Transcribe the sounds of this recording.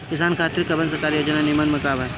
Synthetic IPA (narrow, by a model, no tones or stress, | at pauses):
kɪsaːnkʰaːt̪ɾikːɐbə̃nsɐkaːɾijod͡ʒɐnanimanmɐkaːbɐ